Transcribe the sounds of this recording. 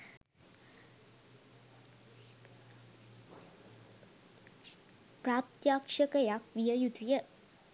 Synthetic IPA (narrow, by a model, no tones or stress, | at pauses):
pɾaːt̪jaːkʂɐkɐjakʋijɐjut̪ijə